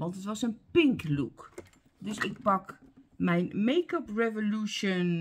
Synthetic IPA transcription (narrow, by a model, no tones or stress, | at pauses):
ʋɑntətʋɑsənpɪŋkluk | døsɪk̚pɑkmɛjnmejkəprɛvoluʃon